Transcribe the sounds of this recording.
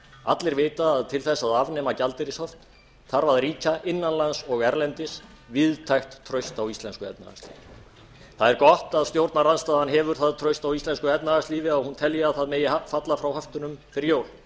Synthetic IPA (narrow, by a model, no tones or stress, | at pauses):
at̪lɪɾveːjt̪aːðt̪ʰɪlθɛsːaðavnɛːmacalt̪ɪɾɪshɔft̪ | θaɾvaðɾiːcaʔɪnːanlansɔɣɛɾlɛnt̪ɪs | vɪðt̪ʰajxt̪ʰːɾœɥst̪awist̪lɛnskʏɛ̰p̪na̰a̰kst̪lḭːvɪ | θaðɛɾkɔht̪aðst̪jowɾt̪naɾanst̪aːðanːɦɛvʏɾ̥θaðt̪ʰɾœɥst̪awist̪ɛnskʏɛp̪naðast̪liːvɪaɣhunt̪ʰɛljɪaðθaðmeːjɪafat̪lafɾawhaft̪ʏnʏmfɪɾɪɾjoːwl